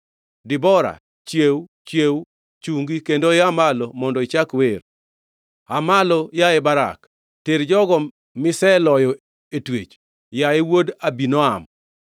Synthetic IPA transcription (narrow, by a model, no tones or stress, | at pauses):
dɪbɔɾa̰ | t͡ʃjewt͡ʃjew | t͡ʃuŋɡikendojɪamalɔmɔndɔit͡ʃakwer | amalɔjaɛbaɾa̰k | teɾd͡ʒɔɡɔ | mɪsɛlɔjɔ | etwḛt͡ʃ | jaɪwodabinɔam